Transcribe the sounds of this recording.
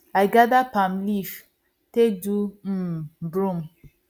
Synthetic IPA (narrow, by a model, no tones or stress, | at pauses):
ajɡadapamlif | tedu | bɾũm